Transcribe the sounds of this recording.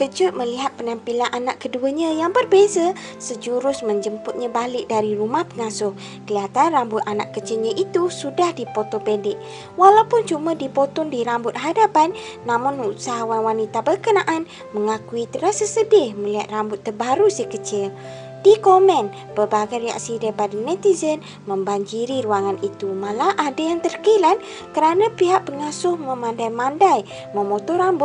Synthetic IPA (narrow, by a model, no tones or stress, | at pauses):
kəd͡ʒʊt̪̚məliɦat̪̚pənampilanʔanaʔkəduəɲə̃jaŋbərbezə | səd͡ʒuɾʊsməɲd͡ʒəmpʊt̪̚ɲə̃balɪk̚daɾiɾumahpəŋasʊh | kəliat̪anrambʊt̪̚anaʔkət͡ʃɪlɲəʔit̪usudahdipot̪opɛndɪʔ | walawpʊnt͡ʃumədipot̪ɔndiɾambʊt̪̚ɦadapanː | amʊnusaɦawanwanit̪abərkənaʔan | məŋakuit̪əɾasasəbɪhməliɦat̪̚rambʊt̪ːərbaɾusikət͡ʃɪl | d̥ikomən | b̥əbaɡajɾəa̰ksidajpadanɛt̪izən | məmbaŋd͡ʒiɾiɾuaŋanit̪umalaʔadajaŋt̪ərkilan | kəɾanapiɦaʔpəŋasʊhməmandajmandaj | məmot̪ɔɾambʊt̪̚